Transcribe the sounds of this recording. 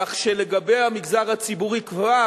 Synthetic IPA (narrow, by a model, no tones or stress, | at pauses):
aχʃeleɡabejhamiɡzaʁat͡sibuʁikva